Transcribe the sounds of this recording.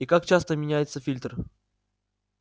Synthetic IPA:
ikak̚t͡ɕast̪əmʲɪnʲæjɪt̪səfʲilʲt̪r

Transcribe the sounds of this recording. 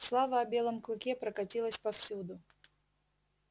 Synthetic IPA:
slˠavəɐbʲe̞lˠəmklˠʊkʲepɾəkɐtʲilˠəsʲpɐfsʲud̪ʊ

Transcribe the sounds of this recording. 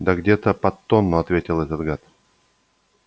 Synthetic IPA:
d̪əɡdʲet̪əpɐt̪ːonːʊɐt̪vʲetʲɪlˠɛt̪ət̪ɡat̪

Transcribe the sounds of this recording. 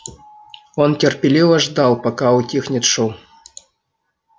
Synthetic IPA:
ontʲerpʲelʲivəʐd̪ɑlˠpakɑutʲixnʲit̪ʂuw

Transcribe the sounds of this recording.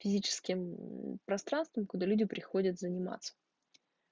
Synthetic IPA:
fʲɪzʲit͡ɕɪ̥skʲɪmpɾɐst̪ɾanst̪vəmkʊd̪alʲudʲɪpɾʲɪxodʲət̪zənʲɪma̰t̪sə̥

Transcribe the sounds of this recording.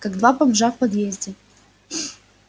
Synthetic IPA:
kaɡd̪vapɐbʐafpɐd̪jezʲdʲɪ

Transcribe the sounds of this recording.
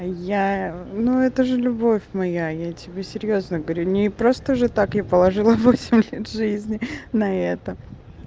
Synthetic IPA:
januɛt̪əʐɨlʲʊbo̞fʲmɐjajatʲɪbʲesʲɪɾʲjo̞znəɡəvɐɾʲunʲɪpɾo̞st̪əʐɨt̪akjapəlˠɐʐɨlˠəvo̞sʲɪmʲlʲet̪ʐɨzʲnʲɪnɐɛt̪ə

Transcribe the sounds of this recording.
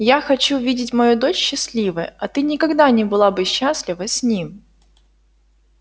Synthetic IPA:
jaxɐt͡ɕuvʲidʲɪtʲmɐjud̪o̞t͡ɕɕːɪsʲlʲivɨjɐt̪ɨnʲɪkɐɡd̪anʲɪbɨlˠabɨɕːasʲlʲɪvəsʲnʲim

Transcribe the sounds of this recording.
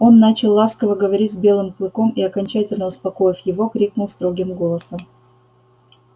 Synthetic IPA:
o̞nːat͡ɕɪlˠːaskəvəɡəvɐɾʲitʲzbʲe̞lˠɨmplˠɨko̞miɐkɐnʲt͡ɕætʲɪlʲnəʊspɐko̞jɪfʲjɪvo̞kɾʲiknʊlˠst̪ɾo̞ɡʲɪmɡo̞lˠəsəm

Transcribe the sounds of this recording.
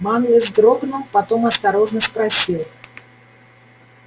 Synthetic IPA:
manlʲɪzd̪ɾobnəlˠpɐt̪omɐst̪ɐɾo̞ʐnəspɾɐsʲilˠ

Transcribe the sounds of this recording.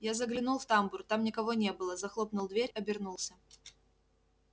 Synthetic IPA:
jazəɡlʲɪnulˠft̪ambʊrt̪amnʲɪkɐvonʲe̞bɨlˠəzɐxlˠo̞pnʊlˠd̪vʲeɾʲɐbʲɪrnulˠsʲə

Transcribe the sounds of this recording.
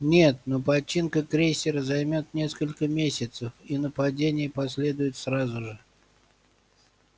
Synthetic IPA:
nʲe̞t̪̚nopɐt͡ɕːinkəkɾʲejsʲɪɾəzɐjmʲot̪nʲe̞skəlʲkəmʲesʲɪt̪səfinəpɐdʲenʲɪjəpɐsʲlʲe̞d̪ʊjɪt̪sɾazʊʐɨ

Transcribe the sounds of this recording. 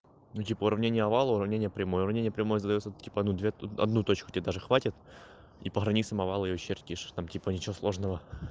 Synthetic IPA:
nutʲipəʊɾɐvnʲenʲɪjəɐvalˠəʊɾɐvnʲenʲɪjəpɾʲɪmojəʊɾɐvnʲenʲɪjəpɾʲɪmo̞jəzəd̪ɐjot̪sətʲipəɐd̪nud̪vʲeɐ̰d̪nut̪o̞t͡ɕkʊtʲɪed̪aʐɨxvatʲɪt̪ | ḭpəxɾɐnʲit̪səmɐvalˠəɨɪjoɕerʲtʲiʂt̪amtʲipənʲɪt͡ɕɪvoslˠo̞ʐnəvə

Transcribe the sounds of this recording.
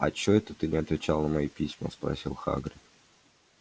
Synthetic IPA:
ɐ̰t͡ɕoɛt̪ət̪ɨnʲɪɐt̪vʲɪt͡ɕalˠnəmɐjipʲisʲmə̰spɾɐ̰sʲilˠxa̰ɡɾʲɪ

